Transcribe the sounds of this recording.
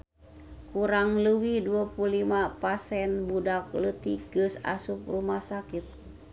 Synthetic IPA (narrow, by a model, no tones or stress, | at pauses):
kuɾaŋləwihduapulimapasɛnbudak̚lət̪iɡ̥ɨsa̰sup̚rumahsakit̪̚